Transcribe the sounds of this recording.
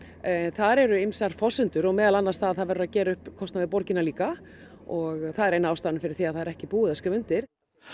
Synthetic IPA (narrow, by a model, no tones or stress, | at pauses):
θaɾɛɾʏejmsaɾ̥fɔsʏnt̪ʏɾɔɣmɛːðalanːaɾst̪aððθaðvɛɾʏɾaðcɛːɾaʏhpkʰɔsnavɪpɔɾcɪnaliːkaɔɣθaðɛɾejnaaːwst̪aːnfɪɾɪɾ̥θiaðθaðɛɾɛhcɪpuːʏðaskɪvʏn̥t̪ɪɾ̥